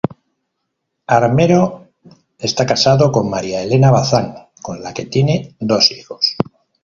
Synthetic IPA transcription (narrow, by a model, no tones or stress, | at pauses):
aɾme̞ɾo̞ | e̞st̪akasaðoko̞mmaɾjaele̞naβaθaŋ | ko̞nlake̞t̪je̞ne̞d̪o̞sixo̞s